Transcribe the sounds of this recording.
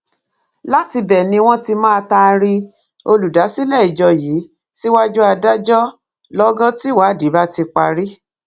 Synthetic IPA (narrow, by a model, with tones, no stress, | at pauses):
la˦ti˧bɛ˨nĩ˧w̃ɔ̃˦ti˧mã˦˧ta˧ɾi˧ | o˧lu˨da˨˦si˦lɛ˦˨i˨d͡ʒɔ˧jiː˨˦ | ti˦wa˦d͡ʒu˦a˧da˦d͡ʒɔ˦ | lɔ˦ɡã˦ti˦wa˨˦˨di˨˦ba˦ti˧k͡pa˧ɾi˦